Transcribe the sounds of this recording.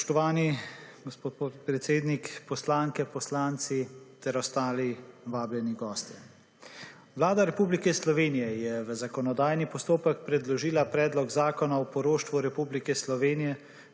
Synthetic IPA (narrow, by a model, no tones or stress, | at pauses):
spʃt̪ɔʋaːniɡospoːt̪̚pot̪pɾɛt̪seːd̪nikpɔslaːŋkɛpɔslaːnt̪sit̪ɛɾɔst̪aːliʋaːbljɛniɡɔːst̪ɛ | ʋlaːd̪aɾɛpublikɛslɔʋeːnijɛjɛʋəzakɔnɔd̪aːjnipɔst̪oːpək̚pɾɛd̪lɔʒiːlapɾɛːd̪lɔɡzaːkɔnawpɔɾoːʃt̪ʋuɾɛpublikɛslɔʋeːnijɛ